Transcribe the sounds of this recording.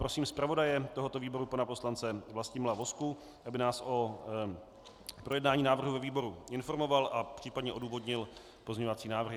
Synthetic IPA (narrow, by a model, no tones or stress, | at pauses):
pɾo̞siːmspɾavo̞dajɛt̪oɦot̪o̞viːbo̞ɾupanaposlant͡sɛvlascɪmlavo̞sku | ʔabɪnaːsʔo̞ | pɾo̞jɛdnaːɲiːnaːvr̩ɦuvɛviːbo̞ɾuɪnfo̞ɾmo̞valʔapr̝̥iːpadɲɛʔo̞duːvo̞dɲɪl | pozɲɛɲovat͡siːnaːvr̩ɦɪ